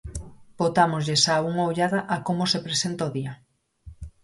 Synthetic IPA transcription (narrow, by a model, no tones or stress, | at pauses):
bot̪amozʎesauŋawʎaðaʔakomosepɾesent̪aoðia